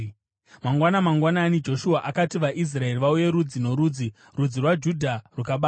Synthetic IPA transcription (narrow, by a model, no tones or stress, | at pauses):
maŋɡwanamaŋɡwananid͡ʒo̞ʃuaʔakatiʋaʔis̬rae̞riʋauje̞ɾud͡zino̞ɾuːd͡zi | rud͡zirwad͡ʒudʱarwukaɓaːa